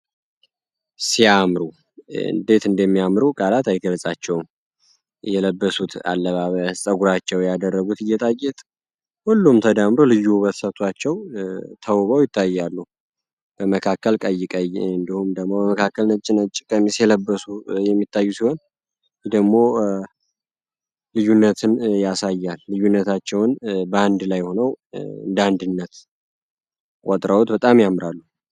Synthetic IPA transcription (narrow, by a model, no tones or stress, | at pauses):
siamɾu | ɨ̰nd̪e̞t̪ɨnd̪əmːijamɾukʼalat̪ajɡələsʼat͡ʃːɛwm | jɛləbːəsut̪ʰa̰lːəβaβəsʼəɡuɾat͡ʃːɛwjad̪ərːəɡut̪ɨjːɛt̪ʼajːɛt̪ʼ | hulːumt̪ʰəd̪amɾolɨjːuβət̪sət̪ʰat͡ʃːɛwt̪ʰəwβəwjɪt̪ʰːajːalːu | b̥əməkʰakːəlkʼəjːɪkʼəjɨnd̪ihumd̪əɡmːo̞bəməkʰakːəlnət͡ʃʼːɪnət͡ʃʼːɪkʼəmisjɛləbːəsujɛmːit̪ʰːajːusiho̞n | d̪əɡmo̞ | lɨjːunːət̪ʰɨnjasajːalːɨjːunːət̪ʰat͡ʃːɛwnbəand̪lajho̞nəwɨ̰nd̪and̪ɨnːət̪ | kʼɔt̪ʼɾəwot̪bət̪ʼamjamɾalːu